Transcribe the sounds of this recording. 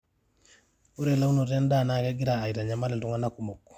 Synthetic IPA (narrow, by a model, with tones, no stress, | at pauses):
u˦ɾɛ˨la˦u˦no˨ɾɛ˦nda˦˨na˨kɛ˦ɡi˦ɾaː˨i˨ɾa˨ɲa˨ma˦lɛ˨tu˦ŋa˦na˦ku˨mɔ˨kːɔ̥˨